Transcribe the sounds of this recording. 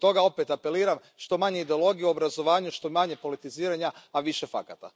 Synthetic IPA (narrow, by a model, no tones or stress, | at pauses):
t̪o̞ɡao̞pet̪ape̞liːɾam | ʃt̪o̞maɲeid̪e̞olˠo̞ɡijeuo̞bɾazo̞ʋaːɲuʃt̪o̞maɲe̞po̞lit̪iziːɾaɲaaʋiʃe̞fa̰kat̪a̰